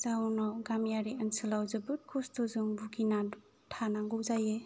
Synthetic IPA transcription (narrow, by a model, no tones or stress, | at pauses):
zawnɔɡamjaɾiənsɯlawzɯbɯɾ̚kʰustɔzuŋbuɡina | tʰanaŋɡɔwzaje